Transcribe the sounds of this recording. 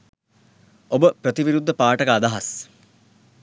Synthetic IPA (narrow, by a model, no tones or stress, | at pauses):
obəprət̪iʋiɾud̪ʱːəpaːʈəkəːd̪aɦas